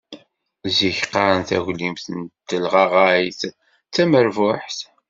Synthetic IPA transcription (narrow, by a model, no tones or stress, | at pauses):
ziçqːɑɾˤənθæ̰ʝlimθənt̪ːəlʁɑʁajθ | t͡sːæməɾvʊħθ